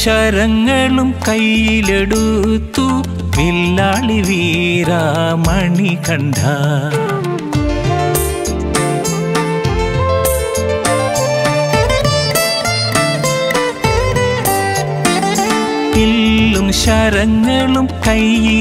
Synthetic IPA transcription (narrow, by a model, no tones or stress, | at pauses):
ʃɐɾɐŋːɐɭumkɐjileɽut̪ːu | ʋilːaːɭiʋiɾaːmɐɳikɐɳɖa | pilːumɕɐɾɐŋɡɐɭumkɐji